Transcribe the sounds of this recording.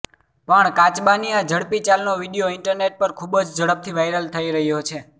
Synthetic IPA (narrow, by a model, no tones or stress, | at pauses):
pəɳkat͡ʃbaniad͡ʒəɽpit͡ʃalnoʋiɖijoɪɳʈəɾneʈ̚pəɾkʰubd͡ʒd͡ʒəɽəp̚t̪ʰiʋajɾəlt̪ʰəiɾəɦjot͡ʃʰe